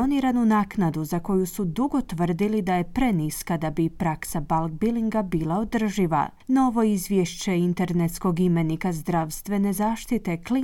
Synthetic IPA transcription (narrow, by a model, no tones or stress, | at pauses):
oniɾanunaːknad̪uzako̞jusud̪uɡo̞t̪ʋr̩d̪ilid̪aje̞pɾe̞niskad̪abipɾaksabalˠɡ̚biliŋɡabiːlˠao̞d̪r̩ʒiʋa̰ | no̞ʋo̞izʋjeʃt͡ɕe̞int̪e̞ɾnet̪sko̞ɡime̞nikazd̪ɾaʋst̪ʋe̞ne̞zaːʃt̪it̪e̞kli